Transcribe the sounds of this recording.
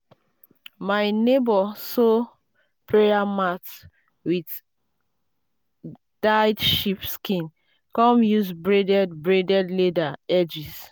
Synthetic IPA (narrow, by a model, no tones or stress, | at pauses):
majnebɔso | pʰɹeamat | wid | d̥ajdʃipskĩn | kɔ̃mjusbɹedɛdbɹedɛdledaɛd͡ʒis